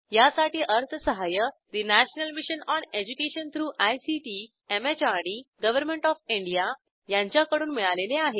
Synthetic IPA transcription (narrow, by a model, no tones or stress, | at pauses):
jasaʈiːʔəɾt̪ʰəsəɦajəd̪inæɕnəlmiɕənɔned͡ʑukeɕənt̪ʰɾuːʔajsiʈi | emet͡ɕaɽiɡəʋəɾmẽɳʈɔfiɳɖija | jãɲt͡ɕjakəɽuːnmiɭaleleaɦe